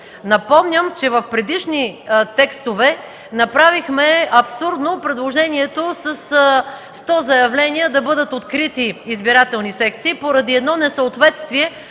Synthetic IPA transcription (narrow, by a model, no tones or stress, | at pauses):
nɐpɔmnʲəmt͡ʃɛvɐfpɾɛd̪iʃnit̪ɛkst̪ovɛ | nɐpɾavixmɛɐpsuɾd̪nopɾɛd̪lˠoʒɛniɛt̪osɐsst̪ɔzɐjɐvlɛniɛd̪ɐbɤd̪ət̪ot̪kɾit̪iːzbiɾat̪ɛlˠnisɛk̚t̪siːpoɾɐd̪iɛd̪nɔnɛsɐot̪vɛt̪st̪viɛ